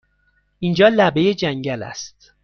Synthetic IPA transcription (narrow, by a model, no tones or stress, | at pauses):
ʔind͡ʒɒːlæbe̞jed͡ʒæŋɟælæ̰st̪̚